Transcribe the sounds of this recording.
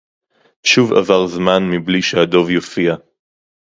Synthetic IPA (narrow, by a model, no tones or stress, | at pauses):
ʃuva̰vaʁzmanmibliʃehad̪o̞vjofia